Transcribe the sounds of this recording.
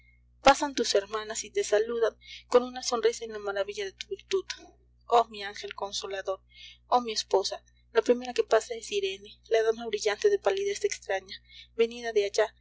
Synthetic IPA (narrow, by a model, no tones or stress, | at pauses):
pasant̪useɾmanasit̪esaluðaŋkonunasonrisaenlamaɾaβiʎaðet̪uβilt̪ut̪o̥ | omiaŋxelkonsolaðoɾomiesposa | lapɾimeɾakepasaesiɾenelaðanaβɾiʎant̪eðepaliðesekst̪ɾaɲaβeniðaðeat͡ʃa